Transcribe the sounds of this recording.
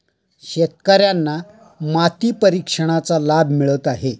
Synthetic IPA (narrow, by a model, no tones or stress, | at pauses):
ɕet̪̚kəɾjanːa | mat̪iːpəɾikʂəɽ̃at͡salabʱmiɭət̪aɦe